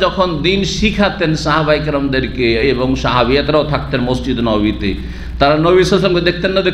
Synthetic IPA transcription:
d͡ʒɔkʰɔnd̪inʃikʰat̪ensaɦabajkɾɔmd̪eɾkeebɔŋʃaɦabiat̪ɾaot̪ʰakt̪enmɔsd͡ʑid̪nɔbit̪e | t̪aɾanobisasɔmked̪ek̚ʰt̪enːad̪e

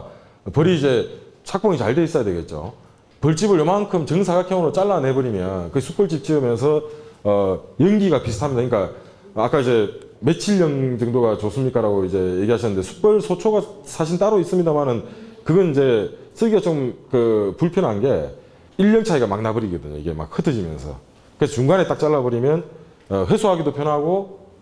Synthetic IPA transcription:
pʌɾiːd͡ʑe̞t͡ɕʰak̚p͈ʌŋit͡ɕaɭde̞is͈ʌjadwe̞ɡe̞t̚t͡ɕ͈o̰ | pʌɭt͡ɕ͈ibɯɾjʌmankʰɯmt͡ɕʌŋs̬ʰaɡakʰjʌŋɯɾot͡ɕ͈aɭːanebʌɾimjʌnkɯɡsʰuk̚p͈ʌɭt͡ɕ͈ip̚t͡ɕ͈iɯmjʌns̬ʰʌː | jʌŋɡiɡapisʰɯ̥tʰamɲidaɯinik͈a | ak͈aid͡ʑe̞ | met͡ɕʰiʎːʌŋd͡ʑɯŋdoɡat͡ɕos͈ɯmɲik͈aɾaɡoid͡ʑe̞je̞ɡiɦaɕʰinːɯnd̪e̞sʰu̥k̚p͈ʌɭsʰot͡ɕʰoɡasʰaɕ̬ʰint͈aɾois͈ɯmɲidamanɯnkɯɡʌnid͡ʑe̞s͈ɯɡiat͡ɕomkɯpuɭpʰjʌnɦanɡe̞ | iʎːʌŋt͡ɕʰaiɡamaŋnabɯɾiɡʌdɯ̰ɲo̰ḭɡe̞̰ma̰k̚hɯtʰɯd͡ʑimjʌ̰nsʰʌ̰ | kɯesʰʌt͡ɕuŋɡanet͈ak̚t͡ɕ͈aɭːabʌɾimjʌn | ʌɸwe̞sʰoɦaɡidopʰjʌnɦaɡo

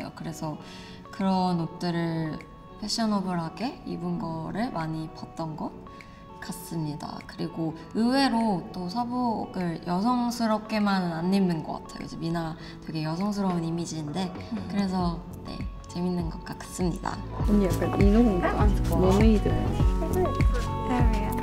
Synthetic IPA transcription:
jo̰kɯɾe̞sʰʌ | kɯɾʌnot̚t͈ɯɾɯɭ | pʰeɕ͈ʌnʌbɯɭɦaɡe̞ḭbunɡʌɾɯɭmaɲipat̚t͈ʌnɡʌt̚ | k͈as͈ɯmɲida̰kɯɾiɡoɯwe̞ɾot͈osʰaboɡɯɭjʌs̬ʰʌŋsʰɯɾʌp̚k͈e̞mannanːenːɯnɡʌk͈a̰tʰejo̰id͡ʑemina | twe̞ɡe̞jʌsʰʌŋsʰɯɾʌbɯnimid͡ʑinde̞ | kɯɾe̞s̬ʰʌ | ne̞̰t͡ɕe̞minːɯnɡʌk͈ak͈ḁs͈ɯmɲida̰oɲijak͈aninnoon͈oanonɯidɯ

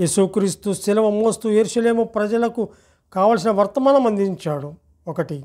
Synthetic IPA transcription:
jeːsukɾiːst̪usilɐʋɐmoːst̪ujeɾuʃɐle̞ːmupɾɐd͡ʒɐlɐku | kaːʋaːls̬inɐʋɐɾt̪ɐmaːnɐmɐnd̪iɲt͡ʃaːɽu | ɔkɐʈi

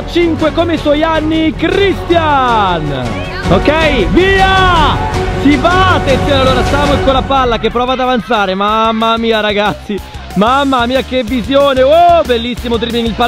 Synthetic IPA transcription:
t͡ʃiŋkwekomeiswɔjanːikɾist̪jan | okːɛjviːa | sivaːt̪ːent̪joːnalːoːɾast̪aːmoiŋkoːɾapalːakepːɾɔːvad̪avant̪saːɾemamːamiːaɾaɡat̪sːi | mamːamiːakevːizjoːneobelːisːimod̪ɾiɾminilpa

